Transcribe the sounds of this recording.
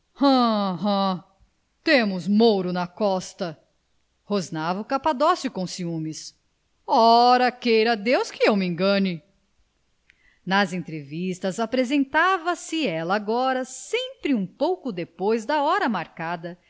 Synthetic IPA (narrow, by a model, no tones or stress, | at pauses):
hɐ̃ɦɐ̃ | t̪ẽmʊzmowɾʊnɐkɔst̪ɐ | hoznavʊkapad̪ɔsjʊkõsiũmɪs | ɔɾɐkejɾɐd̪ewskɪewmɪẽŋɡɐ̃ɲɪ | nɐzẽnt̪ɾevist̪ɐzapɾezẽnt̪avɐsɪɛlɐaɡɔɾɐsẽpɾɪũpowkʊd̪epojzd̪ɐɔɾɐmaɾkad̪ɐ